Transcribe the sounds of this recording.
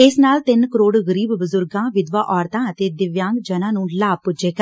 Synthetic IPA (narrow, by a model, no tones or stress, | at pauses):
ɪsnaːlt̪ɪnkəɾoːɽɣəɾiːbbəzʊɾɡãːʋɪd̪ʋaːʔɔːɾt̪ãːət̪eːd̪ɪʋjãːŋɡd͡ʒənãːnũːlaːb̚pʊd͡ʒeːk